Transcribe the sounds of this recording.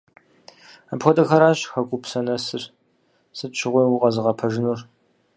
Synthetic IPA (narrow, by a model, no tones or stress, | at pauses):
apxʷɔdɐxɐɾaːɕxɐɡʷʼʊpsɐnɐsɨr | sɨtʃʰɪʁʷijwʊʁɐzɨʁɐpʰɐʒɪnur